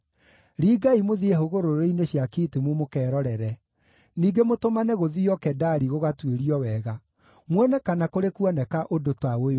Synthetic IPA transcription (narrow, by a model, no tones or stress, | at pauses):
ɾiːɡaimoðieɦoɣoɾoɾeineɕjakiːtemumokɛːɾɔɾɛɾɛ | niːɡemotomanɛɣoðiɔkɛdaɾiɣoɣatweɾiɔwɛɣa | mwɛnɛkanakoɾekwɔnɛkaʔodotwaoj